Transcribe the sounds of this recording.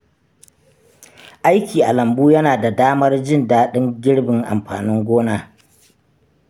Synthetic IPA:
ʔa˦jkʲiː˨ʔa˨lɐ˨mbuː˦jɐ˦naː˨da˨daː˦mɐ˦rd͡ʒɪ˦ndaː˦ɗɪ˦ŋɡʲɪ˦ɽbɪ˨ŋʔa̰˨mɸa̰ː˨nɪ˦ŋɡʷoː˦naː˦

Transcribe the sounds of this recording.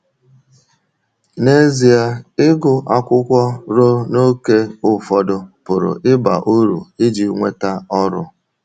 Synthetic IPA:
ne˦zi˨a˦ɪ˦ɡʊ˨ʔa˦kʷʊ˦kʷɔ˦ɾo˦no˦ke˦ʊ˦fɔ˦dʊ˦pʊ˨ɾʊ̰˨ʔɪ˦ba̰˨ʔu˦ɾṵ˨ɪ˦d͡ʒi˨ŋʷe˦ta˦ɔ˦ɾʊ̰˦

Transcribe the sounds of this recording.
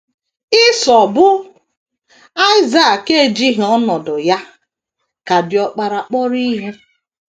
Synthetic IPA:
ɪ˦sɔ˨bʊ˦ | a˦ɪ˦za˨ke˦˨d͡ʒi˦ɦɔ˦nɔ˨dʊ˨ja˦ | ka˨dɪ˨ɔ˨k͡pa˨ɾa˨k͡pɔ˦ɾi˦ɦe˦

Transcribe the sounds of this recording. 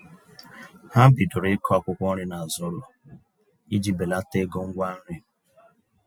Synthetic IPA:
ha˦bi˨dʊ˨ɾɪ˦kʰɔ˦a˦kʷʊ˦kʷɔ˦ɾɪ˦na˨a˨zʊ˦lɔ˨ | i˦d͡ʒi˨be˨la˦te˦ɡo˦ŋ̩˦ɡʷa˦n̩˦ɾɪ˦

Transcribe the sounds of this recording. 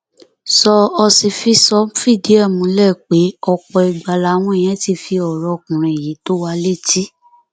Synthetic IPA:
sɔ˧ɔ˧si˧fi˧˦sɔ˧˦fi˦˨di˨˦a˦˨mũ˨˦lɛ˦˨k͡pe˨˦ɔ˧k͡pɔ˧i˧˨ɡ͡ba˧la˨˦w̃ɔ̃˧e˨j̃ɛ̃˨˦ti˧˦fi˧ɔ˨ɾɔ˧˨kũ˨ɾ̃ɛ̃˨ji˨˦to˦wa˧le˦˨ti˦

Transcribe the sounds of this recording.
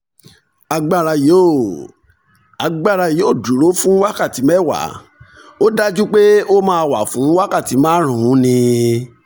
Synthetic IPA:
a˧ɡ͡ba˦˨ɾa˧jo˨˦˨ | a˧ɡ͡ba˦˨ɾa˧jo˨˦˨du˨ɾo˨˦fũ˦wa˦ka˦˨ti˨˦mɛ˦˨wa̰˨˦ | o˦da˦d͡ʒu˦k͡pe˦o˦mãː˧wa˨fũ˨˦wa˦ka˦˨ti˨˦mãː˦ɾ̃ũ˨hũ˨˦nĩ˧

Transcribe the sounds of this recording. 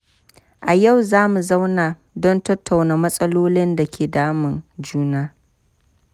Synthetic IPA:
ʔa˨ja˦˨wzaː˦mu˨za˦wnaː˨ | dɔ˦ntɐ˦tːa˨wnaː˨mɐ˦sʼɐ˦loː˦lɪ˦nda˨kʲeː˨daː˦mɪ˨nd͡ʒuː˦naː˦

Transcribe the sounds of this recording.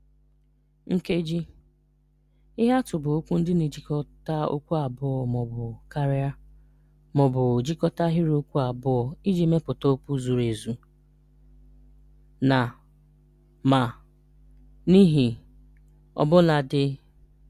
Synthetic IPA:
ŋ̩˦ke˦d͡ʒi˦ | ɪ˦ɦa˦tʊ˨bʊ˨o˦kʷu˦n̩˦dɪ˦ni˨d͡ʒi˦kɔ˦ta˦o̰˦kʷu˦a˨bʊ˦ɔ˨mɔ˨bʊ˨ka˦ɾa˦ | mɔ˨bʊ˨d͡ʒi˦kɔ˦ta˦ɦi˦ɾo˦kʷu˦a˨bʊ˦ɔ˨i˦d͡ʒi˦me˦pʊ˨to˦pu˦zu˨ɾe˨zu˨ | na˨ | ma˨ | ni˦ɦi˨ | ɔ̰˨bʊ˦na˨dɪ˦

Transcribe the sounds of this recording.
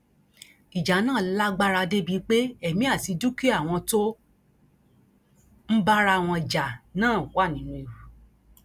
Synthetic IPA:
i˨d͡ʒa˨˦nãː˦˨la˦ɡ͡ba˦ɾa˧de˦bi˨˧˦k͡pe˦ɛ˦˨mĩ˨˦a˦˨ti˨˧du˦ki˦a˦˨w̃ɔ̃˧to˦ | m̩˦ba˦ɾa˦˧˨w̃ɔ̃˧d͡ʒa˨nãː˦˨wa˦˨nĩ˨˦nũ˧e˨ɾu˨

